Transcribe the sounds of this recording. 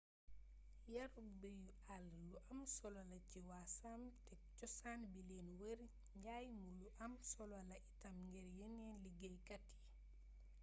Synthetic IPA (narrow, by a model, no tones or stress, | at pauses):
jaɾbeju | alːuʔamsɔlɔlaciwasamtɛ | t͡ʃɔsanbileːnwəɾ | ɲɟajmuluʔamsɔlɔlaʔitamŋɡɛɾjenɛːnliɡejkatːi̥